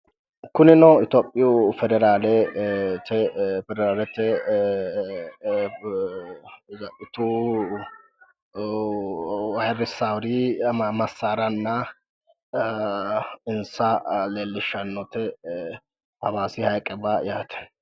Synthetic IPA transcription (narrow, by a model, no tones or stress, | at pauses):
kʊnɪnɔɪt̪oːpʼːɪjʊfɛd̪ɛɾaːlɛt̪ɛfɛd̪ɛɾaːlɛt̪ɛ | zɐʔɪt̪u | wɐɛɾɪsawɾimɐsːaːɾɐnːɐ | ɪnsɐleːlːɪʃːɐnːɔt̪ɛ | pɐβaːsɪhɐjkʼːɛbajaːt̪ʰɛ̥